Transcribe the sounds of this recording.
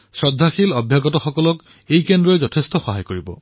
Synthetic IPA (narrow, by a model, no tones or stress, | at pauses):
sɹɔdʱːaxilɔbʱjaɡɔtɔxɔkɔlɔk | ejkendɹɔezɔtʰestɔxɔɦajkoɹibɔ̰